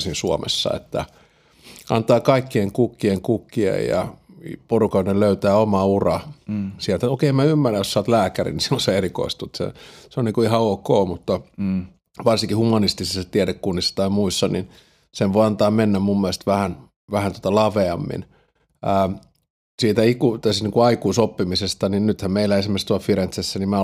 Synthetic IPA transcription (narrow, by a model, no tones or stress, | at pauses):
sinsuomḛsːɑ̰ḛt̪ːæ̰ | ʔɑ̰nt̪ɑːkɑikːieŋkukːieŋkukːiḛjjɑ̰porukɑnelløyt̪æːomɑurɑsiælt̪æokeˑiemæymːæræjossɑːt̪læːkærḭnisioseeriko̰ist̪ut̪sḛseoniŋkuihɑoːkoːmut̪ːɑ | ʋɑrsiŋkihumɑnist̪isest̪iæɾekkunːisːɑ̥t̪ɑimuisːɑnin | senʋoiɑnt̪ɑːmmenːæmmumːiælest̪ʋæhæn | ʋæhænt̪uŏ̥t̪ɑlɑʋeɑmːḭn | æː | siːt̪æikut̪æsniːŋkuɑikuisopːimisest̪ɑninnyt̪hæmmeilæesimerst̪uɑlfiɾent̪sesːænimmæ